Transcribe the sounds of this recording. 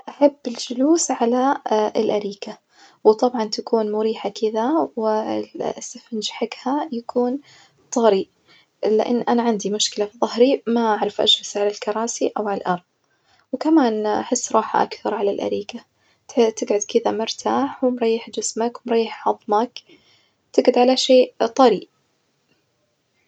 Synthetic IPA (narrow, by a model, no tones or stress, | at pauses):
ʔaħabːɪld͡ʒʊluːsʕalaɪlʔaɾiːka | wt̪ˤɑbʕɑnt̪akuːnmʊɾiːħakɪðawɪlsːɪfɪnd͡ʒħaɡhajakʰuːn | t̪ˤɑɾi | lɪ̰ʔɪ̰nːʔanaʕɪnd̪imʊʃkɪlafiðˤɑhɾimaʔaʕɾɪfʔa̰d͡ʒhasʕalalkɑɾˤɑːsiʔawʕalalʔɑɾˤðˤ | wkamaːnʔaħɪsːɾˤɑːħa̰ʔa̰kθɑɾˤʕalalʔa̰ɾiːka | t̪ɪɡʕʊd̪kɪðamʊɾt̪ʰaːħwɪmɾˤɑjːɪħd͡ʒɪsmakwɪmɾˤɑjːɪħʕɑðˤmak | t̪ɪɡʕʊd̪ʕalaʃeːʔt̪ˤɑɾiːʔ